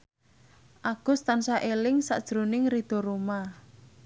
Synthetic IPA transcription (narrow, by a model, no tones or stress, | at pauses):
ʔaɡ̥ʊ̤st̪ansaʔelɪŋsa̰ʔd̥ʒ̥ɾunɪŋrid̪̥o̤ɾoma